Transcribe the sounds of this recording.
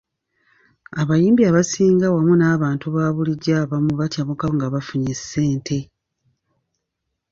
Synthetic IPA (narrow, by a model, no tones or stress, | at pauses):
aβajiːmbiaβasiːŋɡawamunaːβaːntuβaːβuliɟaːβamuβatjaβukaŋɡaβafuɲise̞ːntʰe̞